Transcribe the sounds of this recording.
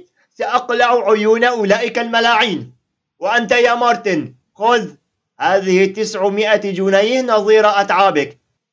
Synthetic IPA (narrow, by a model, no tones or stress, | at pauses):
saʔɑqlaʕʊʕʊjuːnaʔʊlaːʔɪkalmalaːʕiːn | waʔant̪̬ajaːmɑɾˤt̪ɪn | xʊz | haːðɪhɪt̪ɪsʕʊmɪʔad͡ʒʊnajhnɑðˤiːɾaʔat̪ʕaːbɪk